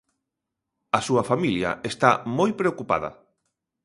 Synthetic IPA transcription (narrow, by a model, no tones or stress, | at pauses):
ɐsuɐfamiljɐ̰est̪amojpɾeokupa̰ð̞ɐ̰